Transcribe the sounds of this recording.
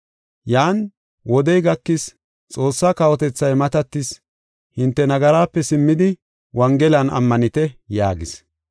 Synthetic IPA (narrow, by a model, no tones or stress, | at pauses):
jaːn | wɔd̪ɛjɡɐkːɪs | t͡sʼo̞ːsːakɐwɔt̪ɛt͡sːɐjmɐt̪ɐt̪ːɪs | hɪnt̪ːɛnɐɡɐɾaːpːɛsɪmːɪd̪ɪ | wɐŋɡɛlɐnɐ̰mːɐnɪt̪ɛjaːɡɪs